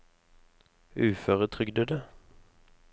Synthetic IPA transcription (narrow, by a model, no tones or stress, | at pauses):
ʉːfœːʁət̪ʰʁʏɡd̪əd̪ə